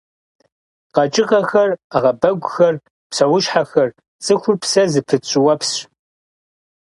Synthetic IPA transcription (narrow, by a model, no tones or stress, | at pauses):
qɐt͡ʃʼɪqʼɐxɐraʁɐbɐɡʷʼʊxɐr | psɐwʊʃħaxɐr | t͡sʼɨxʷʊrpsɐzɨpʰɨt͡ʃʼɪwɐpʰs